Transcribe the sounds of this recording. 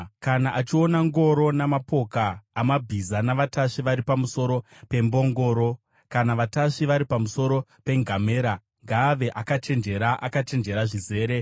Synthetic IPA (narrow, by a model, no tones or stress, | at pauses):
kanaʔat͡ʃio̞naŋɡo̞ɾo̞namapo̞kaːmabʱizanaʋataʂiʋaɾipamuso̞ɾo̞pe̞mbo̞ŋɡo̞ːɾo̞ | kanaʋataʂiʋaɾipamuso̞ɾo̞pe̞ŋɡʱame̞ːɾa | ŋɡaːʋe̞ʔakat͡ʃe̞nd͡ʒe̞ɾaʔakat͡ʃe̞nd͡ʒe̞ɾaʐize̞ːɾe̞